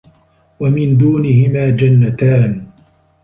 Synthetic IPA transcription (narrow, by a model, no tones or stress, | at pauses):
wamɪnd̪uːnɪhɪmaːd͡ʒanːat̪aːn